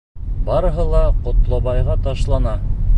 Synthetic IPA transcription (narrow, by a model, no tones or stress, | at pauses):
bɑɾɤ̆ɦɤlˠɑqŏt̪lˠɑβɑjʁɑt̪ɑʃlˠɑnɑ